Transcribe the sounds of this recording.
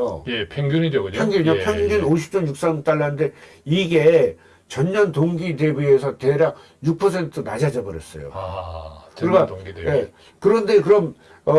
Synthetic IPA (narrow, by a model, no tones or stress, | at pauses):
ojepʰjeŋɡjunideɡoɲpjʌŋɡuapʰjʌŋɡunoɕʰi̥p̚t͡ɕ͈onjuk̚s͈amt͈aɭːannde̞ | iɡe̞ | t͡ɕʌɲːʌntoŋɡide̞bue̞sʰʌteɾak | juk̚pʰʌsʰe̞ntʰɯnad͡ʑad͡ʑʌbɯɾḛs͈ʌ̰jo̰ | kɯɾik͈aŋɡije̞ | kɯɾʌnde̞kɯɾʌm | ʌ